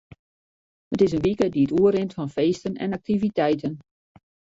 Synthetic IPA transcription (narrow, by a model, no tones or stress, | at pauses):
hətɪsənʋikədiətuəɾɪntfɑnfeːstənɛ̰nak̚tivitɛjtən